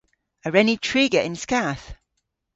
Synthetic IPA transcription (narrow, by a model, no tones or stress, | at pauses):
əɹɛnitʰɹ̥iːɡəʔɪ̃nskaθ